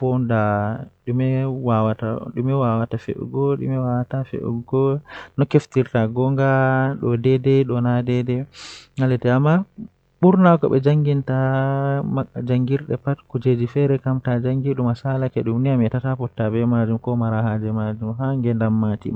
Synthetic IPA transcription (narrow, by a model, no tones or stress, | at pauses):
fɔndaɗumɛwawataɗumɛwawatafḛʔṵɡɔɗṵmɛwawatafḛʔṵɡɔnɔkeftiɾtaɡɔŋɡaɗɔdɛdɛɗɔnadɛdɛŋalɛtɛamːa | ɓuɾnakɔ̰ɓɛ̰d͡ʒaŋɡinta | d͡ʒaŋɡiɾɗɛpatkud͡ʒed͡ʒifɛɾɛkamtad͡ʒaŋɡiɗumasalakɛ̰ɗumniamɛtatapɔtːabɛmad͡ʒumkɔmaɾahad͡ʒɛmad͡ʒumɦaŋɡɛndamːatḭm